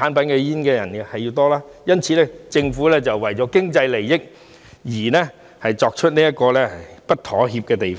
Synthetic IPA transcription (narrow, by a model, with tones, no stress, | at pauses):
aː˨˥npɐ˨˦nkɛː˧jiː˥nkɛː˧jɐ˨˩n˧hɐ˨jːiː˧wt̪ɔː˥laː˥jɐ˥nt͡sʰiː˧lɛ˥t͡sɪ˧ŋfuː˨˥lɛː˥t͡sɐ˨wːɐ˨˩jt͡sɔː˨˥kɪ˥ŋt͡sɐ˧jle˨˩jjɪ˥k̚ | jiː˨˩nɛː˥ | hɐ˨jt͡sɔː˧k̚t͡ʃʰɵ˥t̚niː˥jɐ˥t̚kɔː˧lɛː˥hɐ˨jpɐ˥t̚t̪ʰɔː˨˥ɦiː˧p̚kɛː˧t̪e˨jfɔː˥